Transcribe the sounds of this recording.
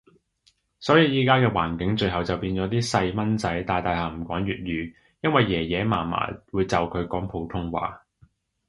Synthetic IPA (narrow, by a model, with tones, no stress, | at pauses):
sɔː˨˥jiː˨˧jiː˨˥kaː˥kɛː˧waː˨˩nkɪ˨˥ŋt͡ʃɵ˧ɥɦɐ˨wt͡sɐ˨wpiː˧nt͡sɔː˨˥t̪iː˥sɐ˧jmɐ˥nt͡sɐ˨˥jt̪aː˨jt̪aː˨jɦaː˨˩m̩˨˩kʷɔː˨˥ŋɥyː˨t̚jyː˨˧ | jɐ˥nwɐ˨jjɛː˨˩jɛː˨˥maː˨˩ma̰ː˨˩wuː˨˧jt͡sɐ˨wkʰɵ˨˧ɥkɔː˨˥ŋpʰo˨˥wt̪ʰʊ˥ŋwa̰ː˨